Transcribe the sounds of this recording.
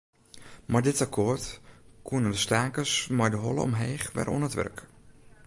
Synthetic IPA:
madɪtakʰoətkʰuənəndəstaːkəsmajdəɦɔlə̰ɔ̰mɦeːxʋɛ̰rʔɔ̰nətʋɛ̰rk

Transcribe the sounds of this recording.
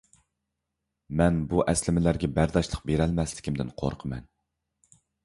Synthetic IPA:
mɛnbuʔɛslɪmɪlæɾɡʲɛbæɾd̪ɑʃlˠəq̚beɾɛlmɛslɪ̥kʲʰimd̪ɪ̰nqʰo̰ɾqʰəmɛ̰n

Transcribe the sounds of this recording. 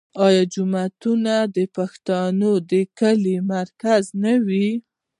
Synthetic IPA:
ɑjɑd͡ʒʊmat̪unad̪əpaxt̪ɑnod̪əkəlimaɾkaznawi

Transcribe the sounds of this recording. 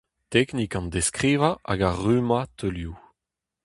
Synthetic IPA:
t̪ɛknikɑ̃nd̪eskʁiːvaʔa̰ɡaʁymat̪ølju

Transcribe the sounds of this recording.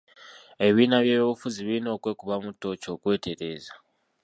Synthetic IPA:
e̞βinaβjejβufuziβinokwekuβamutot͡ʃokwetʰeɾeːza

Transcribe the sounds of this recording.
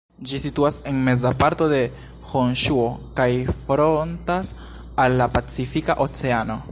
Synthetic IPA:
d͡ʒisituase̞nme̞zapaɾto̞de̞ | honʃuo̞kajfɾontas | alːapat͡sifika̰ʔo̞t͡se̞ano̞

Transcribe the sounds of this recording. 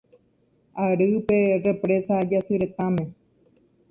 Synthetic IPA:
aɾɨpe̞re̞pɾe̞sad͡ʒasɨɾe̞t̪ãmẽ̞

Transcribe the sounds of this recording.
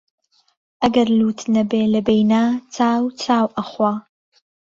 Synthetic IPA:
ʔɐɡɐɾluːt̪ʰnɐbeːlɐbejnaːt͡saːwt͡sʰaːwʔɐχwaː

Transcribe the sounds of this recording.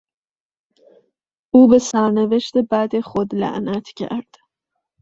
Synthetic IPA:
ʔuːbe̞sæɾneve̞ʃt̪ebæd̪exod̪læ̰ʔnæt̪ʰcʰæ̰ɾd̪̥

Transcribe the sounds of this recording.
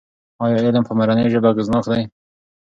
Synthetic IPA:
ɑjɑɪlmpəmaɾanəjʒəbaɡɪznɑkd̪aj

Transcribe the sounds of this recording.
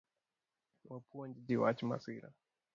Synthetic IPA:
wapʰuand͡ʒid͡ʒiwa̰t͡ʃima̰siɾa̰

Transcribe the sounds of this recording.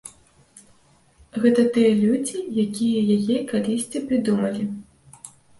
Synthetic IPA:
ɣɛt̪ɐt̪ɨjɐlʲud͡zʲijakʲijɐjajɛkalʲisʲt͡sʲipɾɨd̪umɐlʲi

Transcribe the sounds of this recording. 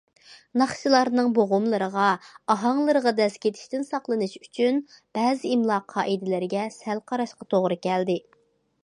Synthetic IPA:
nɑχʃɨlˠɑɾnɨŋboʁʊmlˠɨɾəʁɑɑɦɑŋlˠɨɾəʁɑd̪ɛskʲet̪ʰɪ̥ʃt̪ɪnsɑqlˠɨnɨʃyt͡ʃʰynb̥ɛːzɪimlˠɑːqʰːɑːʔid̪ɪlɪɾɪɡʲɛsælqʰɑɾɑʃqɑt̪ʰoʁɾɨkʲɛld̪ɪ

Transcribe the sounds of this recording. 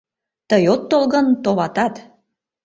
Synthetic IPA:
t̪əjot̪ːolɣənt̪oβɑt̪ɑt̪

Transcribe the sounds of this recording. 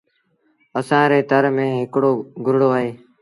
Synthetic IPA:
əsãːɾeːt̪əɾmẽːɦɪkɽoːɡʊɾɽoːaːɦeː

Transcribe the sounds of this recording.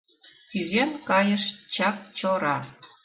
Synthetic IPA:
kyzemkɑjəʃt͡ɕɑk̚t͡ɕoɾɑ

